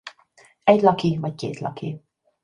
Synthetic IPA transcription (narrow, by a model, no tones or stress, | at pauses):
ɛɟlɒkivɒckḛːt̪lɒ̰kʰi